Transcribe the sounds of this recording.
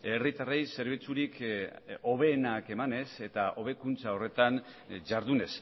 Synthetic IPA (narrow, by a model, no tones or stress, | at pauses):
e̞rit̪arejse̞ɾβ̞it͡suɾik | o̞βe̞ːnake̞mane̞se̞t̪aʔo̞β̞e̞kunt͡sao̞re̞t̪an | ʝaɾðune̞s